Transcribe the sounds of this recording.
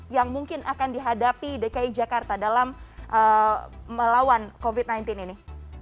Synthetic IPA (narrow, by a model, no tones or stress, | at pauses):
jaŋmuŋkɪnʔakandiɦadapidekaid͡ʒakart̪adalamʔəməlawankovit̪̚najnt̪ɪnini